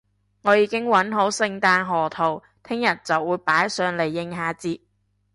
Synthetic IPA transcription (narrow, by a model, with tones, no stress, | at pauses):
ŋɔː˨˧jiː˨˧˥kɪ˥ŋwɐ˨˥nɦo˨˥wsɪ˧ŋt̪aː˧nɦɔː˨˩t̪ʰo˨˩w | t̪ʰɪ˥ŋjɐ˨˩t̚t͡sɐ˨wːuː˨˧jpaː˨˥jsœː˨˧ŋle˨˩jːɪ˨˧ŋɦaː˨˧t͡siː˧